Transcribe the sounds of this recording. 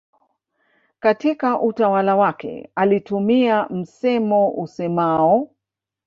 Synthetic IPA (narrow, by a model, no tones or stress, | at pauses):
katikaʔutawalawakɛ̰alitumiam̩sɛmɔʔusɛmaɔ